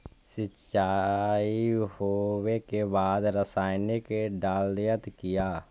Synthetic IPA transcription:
sɪt͡ʃaːihowekebaːd̪ɾəsaːɪnekeɖaːlːɪjət̪kɪjaː

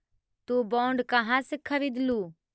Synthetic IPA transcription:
t̪ubɔːɳɖkɐɦãsɪkʰːəʋɪd̪ʱluː

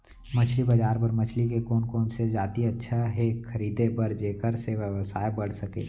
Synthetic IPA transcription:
mət͡ʃʰlibɐd͡ʒaːɾpəɾmət͡ʃʰlik̬ekoːnkoːnsed͡ʒaːt̪iɐtːʃʰaɦekʰəɾiːd̪ebəɾd͡ʒeːkəɾseʋjəʋəsaːebəɽ̤səkḛː

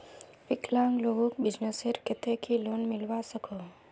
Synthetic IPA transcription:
ʋɪklãːŋɡloːɡõkbɪd͡ʒneseɾkɪt̪ekiloːnmɪlʋasəko

